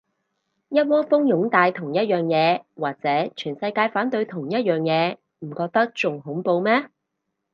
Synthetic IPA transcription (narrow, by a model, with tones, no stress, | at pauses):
jɐ˥t̚wɔː˥fʊ˥ŋjʊ˨˥ŋt̪aː˨˧jt̪ʰʊ˨˩ŋjɐ˥t̚jœː˨˩ŋjɛː˨˧waː˨k̚t͡sɛː˨˥t͡ʃʰyː˨˩nsɐ˧jkaː˧jfaː˨˥nt̪ɵ˧ɥt̪ʰʊ˨˩ŋjɐ˥t̚jœː˨ŋjɛː˨˧ | m̩˨˩kɔː˧k̚t̪ɐ˥k̚t͡sʊ˨ŋɦʊ˨˥ŋpo˧wmɛː˥